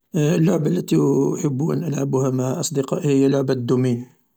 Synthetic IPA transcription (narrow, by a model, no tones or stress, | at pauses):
əlːʊʕbælːæt̪iħəbːuʔə̰nʔəlʕabuhæmaʕʔɑsˤd̪əqɑʔhəjːælːʊʕbad̪ːʊmijː